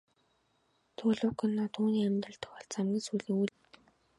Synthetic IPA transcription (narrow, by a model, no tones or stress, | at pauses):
t̪ʰuːɮʊːkɵ̆nːɔːt̪ʰuːniːæmt̪ə̆ɬt̪ə̆xɔɮt͡samɡʲĭnsuːɮĭŋuɮ